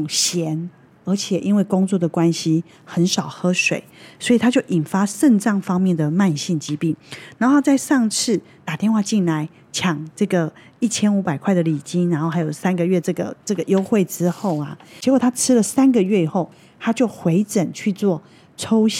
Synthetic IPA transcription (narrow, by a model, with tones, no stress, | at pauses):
ŋɕjɛ˧˦n | ə˞˧˥t͡ɕʰjɛ˨˩ʔi˦˥nwe˥˩ɪkʊ˥ŋt͡swɔ˥˩d̪ə˩kwa˦˥nɕi˥ | xə˧˦nʂɑ˨˩ʊxɤ˥ʂwḛ˨˩˦ɪswɔ˧˥i˨˩t̪ʰa˥t͡ɕjo˥˩ʊʔi˨˩nfa˥ʂə˥˧nʈ͡ʂɑ˥˩ŋfɑ˥ŋmjɛ˥˨nd̪ə˩ma˥˧nɕi˥˩ŋt͡ɕi˥pi˥˩na˧˥n˥xo˥˧t͡sa˥˧ɪʂɑ˥˧ŋt͡s̩ʰ˥˩t̪a˨˩t̪jɛ˥˧nxwa˥˧t͡ɕi˥˩nla˧˦ɪ | t͡ɕʰjɑ˨˩ŋʈ͡ʂɤ˥˩ɡə˩ | i˥˩t͡ɕʰjɛ˥nu˧˥pa˨˩ɪkʰwa˥˩ɪd̪ə˩li˨˩t͡ɕi˥nna˧˦nxo˥˩xa˧˥ɪjo˨˩ʊsa˥nɡə˨ɥɛ˥˧ʈ͡ʂɤ˥˩ɡə̰˩ʈ͡ʂɤ˥˩ɡə˨jo˥ʊxwe˥˩ɪʈ͡ʂɻ̩˦xo˥˩ʊɐ̰˩t͡ɕjɛ˧˥kwt̪ʰa˥ʈ͡ʂʰɻ̩˥lə˨sa˥nɡə˨ɥɛ˥˩i˨˩xo˥˩ʊ | t̪ʰa˥t͡ɕjo˥˩ʊxwe˧˥ɪʈ͡ʂə˨˩nt͡ɕʰy˥˧t͡swɔ˥˨˩ | ʈ͡ʂʰo˥ʊɕ